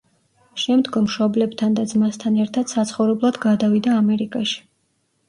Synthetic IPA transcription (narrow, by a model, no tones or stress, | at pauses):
ʃɛmd̪ɡɔmʃɔblɛbt̪ʰand̪ad̪zmast̪ʰanɛɾt̪ʰad̪̥sat̪sʰχɔvɾɛblˠad̪ɡad̪avid̪aːmɛɾikʼaʃi̥